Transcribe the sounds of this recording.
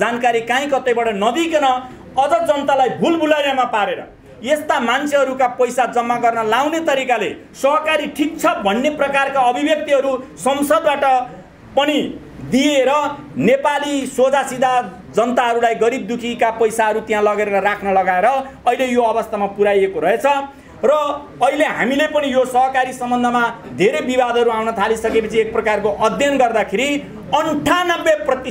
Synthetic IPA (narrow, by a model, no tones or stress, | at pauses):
d͡zankaɾikãĩkʌt̪ʌjbʌɽʌnʌd̪ikenʌ | ʌd͡zʌd͡zʌnt̪alajbʱulbʱulajamapaɾeɾʌ̰ | jest̪amant͡sʰeɦʌɾukapʌjsad͡zʌmːaɡʌrnʌlawnet̪ʌɾikale | sʌɦkaɾiʈʰik̚t͡sʰʌbʱʌnːeprʌkarkaʌbʱibjʌk̚t̪iɦʌɾusʌmsʌd̪̚baʈʌ | pʌni | d̪ieɾʌnepalisod͡zasid̪a | d͡zʌnt̪aɦʌɾulajɡʌɾib̚d̪ukʰikapʌjsaɦʌɾut̪jãlʌɡeɾeɾʌrakʰnʌlʌɡaeɾʌʌilejoʌbʌst̪amapuɾajekoɾʌɦet͡sʰʌ | rʌː | ileɦa̰milepʌnijosʌɦʌkaɾisʌmbʌnd̪ʱʌmad̪ʱeɾebibad̪ʱʌɾuawnʌt̪ʰalisʌkepʌt͡sʰiek̚prʌkarkoʔʌd̪ʱjʌnɡʌrd̪akʰeɾi | ʌnuʈʰanʌbːeprʌt̪i